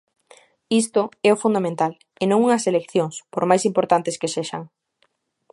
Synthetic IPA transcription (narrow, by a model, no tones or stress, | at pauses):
ist̪ʊɛʊfund̪amẽnt̪al | enõŋuŋɐselekθjoŋspoɾmajsimpoɾt̪ant̪eskeseʃa̰ŋ